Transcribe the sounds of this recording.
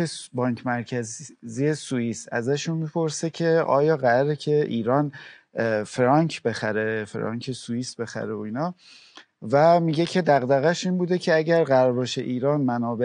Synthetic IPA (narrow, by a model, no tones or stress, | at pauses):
ebɒːɲcʰmæɾcʰæzziesujiːsæ̰zæʃunmiːpʰo̞ɾsecʰe̞ʔɒ̰ːjɒːɣæɾæɾecʰe̞ʔiːɾɒːn | fɾɒŋcʰbe̞xæɾe̞fɾɒ̰ːŋkʰesuiːsbe̞xæ̰ɾeoiːnɒː | væmiːɟe̞cʰe̞d̪æɣd̪æɣæʃiːnbuːd̪e̞cʰe̞æɟæɾɣæɾbɒːʃeʔiːɾɒːnmænɒːbe